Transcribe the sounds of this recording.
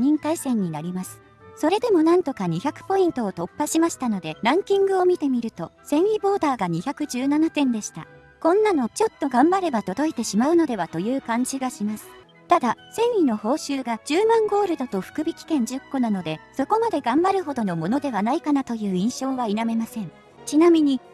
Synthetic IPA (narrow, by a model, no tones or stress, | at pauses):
ɲĩnt̪aisẽ̞ɲ̟ːinaɾʲimasɨ̥ | so̞ɾe̞d̪e̞mo̞nãnt̪o̞kaɲ̟içakɯ̟̥po̞ĩnt̪o̞ːt̪o̞pːaɕimaɕi̥t̪ano̞d̪e̞ɾãŋkʲĩŋɡɯ̟o̞mʲit̪e̞mʲiɾɯ̟t̪o̞sẽ̞ɰʲibo̞ːd̪aːɡaɲ̟içʲakɯ̟ʑɨːnanat̪ẽ̞nd̪e̞ɕi̥t̪a̰ | kõ̞nːano̞t͡ɕo̞t̪ːo̞ɡãmbaɾe̞bat̪o̞d̪o̞it̪e̞ɕimaɯ̟no̞d̪e̞βat̪o̞jɯ̟ːkãɲ̟d͡ʑiɡaɕimasɨ̥ | t̪ad̪asẽ̞ɰ̃ino̞ho̞ːɕɨːɡad͡ʑɨːmãŋɡo̞ːɾɯ̟d̪o̞t̪o̞ɸɯ̟̥kɯ̟bʲikʲi̥kẽ̞ɲ̟d͡ʑɨkːo̞nano̞d̪e̞so̞ko̞mad̪e̞ɡãmbaɾɯ̟ɦo̞d̪o̞no̞mo̞no̞d̪e̞βanaikanat̪o̞jɯ̟ːĩɰ̃ɕo̞ːβainame̞masẽ̞n | t͡ɕinamʲiɲ̟i